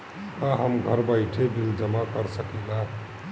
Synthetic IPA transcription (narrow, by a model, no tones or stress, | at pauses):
kaɦəmɡʱəɾbaɪʈʰebild͡ʒəmakəɾsəkila